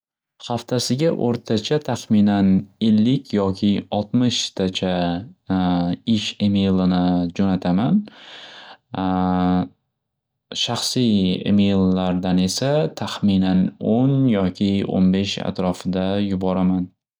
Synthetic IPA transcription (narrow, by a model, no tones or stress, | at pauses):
haft̪ʰasɪɡʲaʔoɾt̪ʰat͡ʃʰat̪ʰaχminane̞lːɪkʲʰjɒkʲʰɪɒlˠt̪mɪʃt̪ʰat͡ʃʰa | ɪʃemejlˠɪnɪd͡ʒonat̪ʰaman | ʃaχsijḛmejlːaɾd̪ane̞sat̪ʰaχminanonjɒkʲʰɪo̰nbe̞ʃa̰t̪ɾɒfɪd̪ajʊbɒɾaman